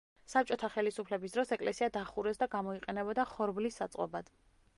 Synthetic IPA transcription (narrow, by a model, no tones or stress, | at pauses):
sap̚t͡ʃʼɔt̪ʰaχɛlisupʰlɛbis̬d̪ɾɔsɛkʼlɛsiad̪aχuɾɛsd̪aɡamɔiqʼɛnɛbɔd̪aχɔɾblisːat̪sʼqʼɔ̰bad̪̥